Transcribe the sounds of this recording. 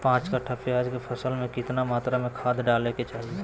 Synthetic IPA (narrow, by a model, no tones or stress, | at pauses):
pãːt͡ʃkaʈʰapɪjaːd͡ʒkepʰəsəlmẽkɪt̪namaːt̪ɾamẽkʰaːd̪ɖaːleket͡ʃaːɦie